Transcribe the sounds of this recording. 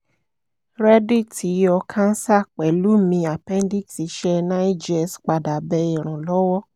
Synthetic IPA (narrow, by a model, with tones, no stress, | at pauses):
ɾɛ˦di˦˨tʰi˨˦ɔ˧kʰã˦n̩˦sa˦˨k͡pɛ˨lu˨˦mĩ˧a˨pɛ̃˦n˦di˦˨ksi˨˧˦ʃɛ˦nã˦i˦d͡ʒɛ˦˨sk͡pa˨da˨bɛ˧˦i˨ɾ̃ɔ̃˨lɔ˨˦wɔ˦